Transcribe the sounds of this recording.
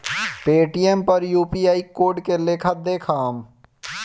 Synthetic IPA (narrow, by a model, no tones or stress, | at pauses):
peːʈijempɐɾjuːpijaːikoːɾɖkelekʰət̪̚d̪eːkʰaːm